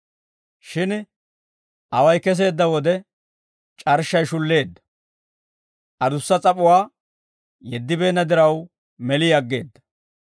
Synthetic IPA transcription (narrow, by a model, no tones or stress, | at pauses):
ʃɪn | ʔɐwɐjkɛs̬e̞ːd̪ːɐwɔd̪ɛ | t͡ʃʼɐɾʃːɐjʃʊlːe̞ːd̪ːɐ̥ | ʔɐd̪ʊsːɐt͡sʼɐpʼʊwaː | jɛd̪ːɪbe̞ːnːɐd̪ɪɾɐw | mɛlɪjɐɡːe̞ːd̪ːɐ̥